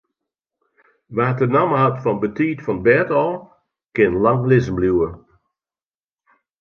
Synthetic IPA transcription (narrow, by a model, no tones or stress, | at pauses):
ʋaːtənaməhatfɔnbətʰiːtfɔnbɛtɔlˠ | kɪnlaŋlɪzən̩bljuə